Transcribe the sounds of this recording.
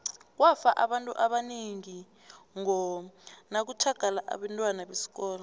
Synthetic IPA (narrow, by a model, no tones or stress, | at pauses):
k̬wafaʔaɓantʼuʔaɓaniŋi | ŋɔnak̬utʰaɡ̥ʱalaʔa̰ɓantʼwanaɓesi̥k̬ʼɔːlɔ